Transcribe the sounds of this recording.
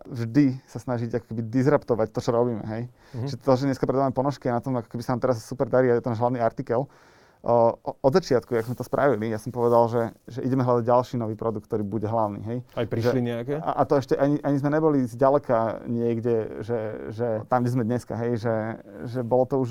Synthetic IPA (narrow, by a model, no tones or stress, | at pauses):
vʒd̪isasnaʒiɟakɔ̥kɛbid̪izɾapt̪ɔʋact̪ɔt͡ʃɔɾɔbiːmɛ̰ɦɛj | ʒɛt̪ɔʒɛɲɛskapɾɛd̪aʋamɛpɔnɔʃkianat̪ɔmakɔ̥kɛbisanamt̪ɛɾasːupɛɾd̪aɾiːajɛt̪ɔnaːʒɦlaʊniaɾt̪ikɛl | ɔd̪zat͡ʃɪat̪kujaɡzmɛt̪ɔspɾʔa̰ʋilijasɔmpɔʋɛd̪alʒɛʒɛʔiɟɛmɛɦlad̪aɟɟalʃiːnɔʋiːpɾɔd̪ukt̪ɔɾiːbuɟɛɦlaʊnḭɦɛjajpɾiʒɛliɲɛakɛʔat̪ɔɛʃcɛʔaɲiʔaɲizmɛɲɛbɔlizɟalɛkaɲɪɛɡɟɛʒɛʒɛt̪amɡɟɛzmɛd̪ɲɛska̰ɦɛjʒɛʒɛbɔlɔt̪ɔuʒ